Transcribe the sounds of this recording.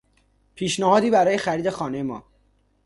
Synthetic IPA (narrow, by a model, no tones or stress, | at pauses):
pʰiːʃnæhɒːd̪iːbæɾɒːje̞xæɾiːd̪e̞xɒːnejemɒː